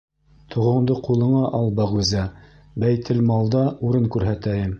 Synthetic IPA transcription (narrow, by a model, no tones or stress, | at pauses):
t̪ʰŏʁŏmd̪ɤqulˠɤ̆ɴɑʔɑlˠbæʁʉzæ | bæjt̪ʰɘlmɑlˠd̪ɑuɾɤŋkʉɾɦæt̪æjɘm